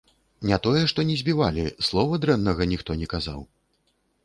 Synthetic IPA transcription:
nʲɛt̪ɔjɛʂt̪ɔnʲɛzʲbʲivalʲislˠɔvɐd̪ɾɛnːɐɣɐnʲixt̪ɔnʲɛkaza̰w

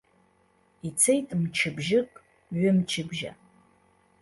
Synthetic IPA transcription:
it͡sʰejtʼmt͡ʃʰɪbʒɪkʼ | ɥʊmt͡ʃʰɪbʒa̰

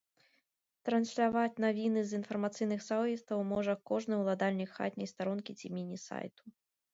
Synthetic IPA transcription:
t̪ɾɐnsʲlʲavat͡sʲnavʲinɨzinfɐrmat̪sɨjnɨxsawvʲist̪ɐwmɔʐɐkɔʐnɨjwlˠad̪alʲnʲikxa̰t̪ʲnʲɛjst̪aɾɔnkʲit͡sʲimʲinʲisa̰jt̪u̥

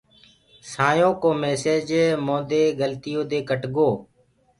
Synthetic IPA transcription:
saːjõːkoːmeːseːd͡ʒmõːd̪eːɡəlt̪ɪjõːd̪eːkəʈɡoː

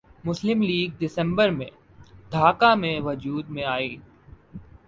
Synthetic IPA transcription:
mʊslɪmliːɡ̚ɖɪsə̃mbəɾmḛ̃ | d̪ʱaːkamẽʋəd͡ʒuːd̪mẽaːiː

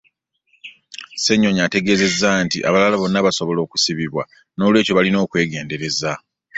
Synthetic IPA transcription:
se̞ɲːo̞ɲate̞ɡe̞ːze̞zːaːntiʔa̰βalalaβo̞nːaβaso̞βo̞lo̞ːku̥siβiβwa̰ | no̞ːlwe̞ːco̞βalino̞ːkwe̞ːɡe̞ːnde̞ɾe̞za

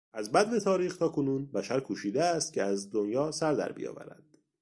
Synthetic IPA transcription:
ʔæzbæd̪vet̪ʰɒːɾiːxt̪ʰɒːkʰo̞nuːnbæʃæɾkʰuːʃiːd̪eæst̪̚cʰeæzd̪onjɒːsæɾd̪æ̰ɾbḭjɒ̰ːvæ̰ɾæ̰d̪̥

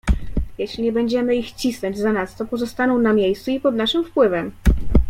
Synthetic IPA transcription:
jɛɕlʲiɲɛbɛɲd͡ʑɛmɘixt͡ɕisnɔɲd͡ʑzanast̪ɔpɔzɔst̪anɔ̃w̃namʲjejst̪suipɔd̪naʂɘmfpwɘvɛm

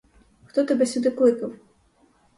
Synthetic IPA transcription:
xt̪ɔt̪ɐbʲɛsʲud̪ɨklˠɨkɐw

